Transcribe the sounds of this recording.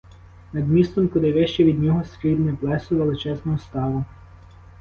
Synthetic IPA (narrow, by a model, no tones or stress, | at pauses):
nɐd̪mʲist̪ɔmkɔd̪ɪʋɛʃt͡ʃɛʋʲid̪nʲɔɦɔskilnɪplˠɛsʊʋelˠɪt͡ʃɛznɔɦɔst̪ɑʋʊ